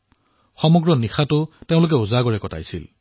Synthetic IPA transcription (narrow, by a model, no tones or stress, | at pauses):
xɔmɔɡɹɔnixatʊteʊ̃lʊk̬ɛʊzaɡɔɹɛkɔta̰jsḭl